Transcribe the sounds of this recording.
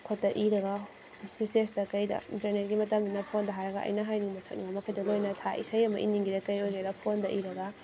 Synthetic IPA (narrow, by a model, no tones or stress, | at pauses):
kʰot̚dɐʔiɾɐɡɐ | pʰisesdɐkɐjdɐ̰ḭntɐɾnet̚ɡimɐtɐmbinɐpʰondɐɦaɾɐɡɐʔɐ̰jnɐɦajniŋmɐsʰɐk̚niŋɡɐmɐkʰɐjdɐlojnɐtʰaḭsɐjɐmɐʔḭniŋɡiɾɐkɐjojɡɐjdɐpʰondɐʔiɾɐɡɐ